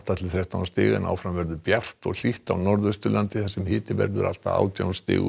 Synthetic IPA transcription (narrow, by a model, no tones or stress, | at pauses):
t̪at̪ʰɪlθɾjɛht̪awnast̪ɪːɣɛ̰nʔa̰ːwfɾamvɛɾðʏpjar̥t̪ɔɣl̥iht̪awnɔɾðʏst̪ʏlant̪ɪθɛsːɛmhɪːt̪ɪvɛ̰ɾðʏɾa̰l̥t̪aa̰ːwt̪ja̰wnst̪ɪ̰ːɣʏ